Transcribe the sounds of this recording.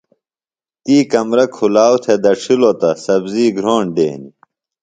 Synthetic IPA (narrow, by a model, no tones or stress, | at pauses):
t̪iːkɐmɾɐkʰulaːwt̪ʰed̪ɐʂʰilot̪ɐsɐbziːɡɾoːɳɖḛːni